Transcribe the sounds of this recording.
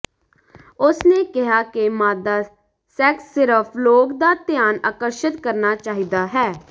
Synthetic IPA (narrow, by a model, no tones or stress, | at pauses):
ʊsneːkɪɦaːkɪmaːd̪aː | sɛːksːɪɾəpʰloːkd̪aːt̪ɪjaːna̰ːkəɾʃət̪kəɾnaːt͡ʃaːɦiːd̪aːɦɛː